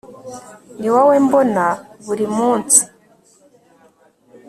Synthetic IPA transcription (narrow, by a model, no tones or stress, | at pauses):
niwawembonaβuɾimuːnsi̥